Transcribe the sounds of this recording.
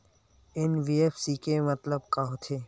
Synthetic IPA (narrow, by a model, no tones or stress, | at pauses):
ɪnʋiːefsiːkemɐt̪ləbkaɦot̪ʰeː